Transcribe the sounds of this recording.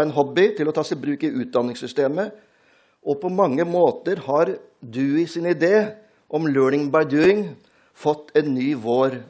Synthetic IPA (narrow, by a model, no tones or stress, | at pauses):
ɛnɦɔbɪt̪ʰɪlɔt̪ʰɑːsɪbɾʉːkɪʔʉːt̪̚d̪ɑnːɪŋsʏst̪eːmə | ʔɔpʰɔmɑŋːəmoːt̪əɾhɑɾ | d̪ʉɪsɪnɪd̪eː | ʔɔmløːɳɪŋbɑɪd̪ʉːɪŋ | fɔt̪ːɛnnyːʋoːɾ